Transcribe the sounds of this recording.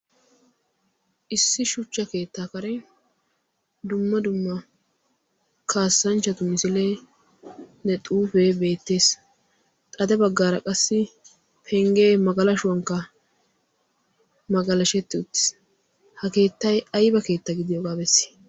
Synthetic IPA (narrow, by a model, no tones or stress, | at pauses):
ʔɪsːɪʃʊt͡ʃːɐke̞ːt̪ːaːkɐɾɛ | d̪ʊmːɐd̪ʊmːɐ | kʰaːsːɐnt͡ʃːɐt̪ʊmɪsɪle | nɛt̪ʼuːfeːbe̞ːt̪ːe̞ːs | t̪ʼɐd̪ɛbɐɡːaːɾɐkʼɐsːɪ | pʰɛŋɡeːmɐɡɐlɐʃʊwɐŋkːɐ | mɐɡɐlɐʃɛt̪ːɪʊt̪ːɪ̥s | hɐke̞ːt̪ːɐjɐjbɐke̞ːt̪ːɐɡɪd̪ɪjoːɡaːbɛsːɪ̥